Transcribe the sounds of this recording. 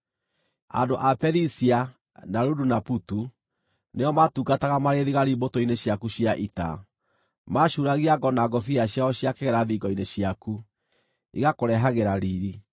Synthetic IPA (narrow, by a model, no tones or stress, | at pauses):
a̰ndoʔapɛɾisia | naɾudunaputu | neɔmatuːɡataɣamaɾeðiɣaɾibotoineɕjakuɕjaʔita̰ | maʃuɾaɣiaɡɔnaɡɔfiaɕjaɔɕjakeɣɛɾaðiːɡɔineɕiaku | iɣakoɾɛɦaɣeɾaɾiɾi